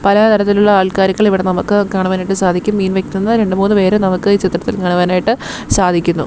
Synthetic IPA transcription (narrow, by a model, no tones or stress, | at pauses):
pɐlɐt̪ʰɐɾɐt̪ːiluɭːɐaːɭkaːɾiɣɐɭiʋiɽe̞nɐmukːɨkaːɳuʋaːnaːjiʈːɨsaːd̪ʱikʲːumːiːnʋekːnunːɐɾe̞ɳɖɨmuːnːɨʋe̞ːɾenɐmukːɨiːt͡ɕit̪ːrɐt̪ːilkaːɳuʋaːnaːjiʈːɨ | saːd̪ʱikʲːunːṵ